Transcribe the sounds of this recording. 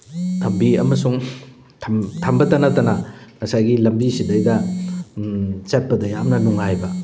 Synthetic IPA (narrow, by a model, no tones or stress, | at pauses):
tʰɐmbiɐ̰mɐsuŋ | tʰɐmtʰɐmbɐtɐnɐtɐnɐŋɐsajɡilɐmbisidɐjdɐ | t͡ʃat̚pɐdɐjamnɐnuŋajbɐ